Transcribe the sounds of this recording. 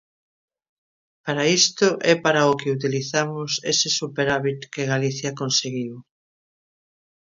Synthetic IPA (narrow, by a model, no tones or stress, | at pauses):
paɾaist̪ʊʔɛpaɾaokɪut̪iliθamʊsḛsɪsupeɾaβit̪keɣaliθjakonseɣiw